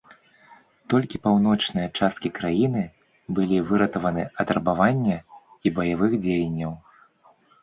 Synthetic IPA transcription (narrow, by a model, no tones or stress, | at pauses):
t̪ɔlʲkʲipawn̪ɔt͡ʂnɨjɐt͡ʂast̪̚kʲikɾajinɨ | bɨlʲivɨɾɐt̪ɐvɐnɨɐt̪ɾɐbavanʲːɐibɐjavɨxd͡zʲejɐnʲːɐw